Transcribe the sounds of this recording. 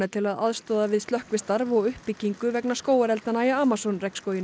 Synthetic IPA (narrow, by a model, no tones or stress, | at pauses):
at̪ʰɪlaða̰ðst̪ɔːðavɪðst̪œhkvɪst̪aɾvɔɣʏhpicːiŋkʏvɛknaskoːwaɾɛlt̪anajaaːmasɔnrɛkskoːjɪn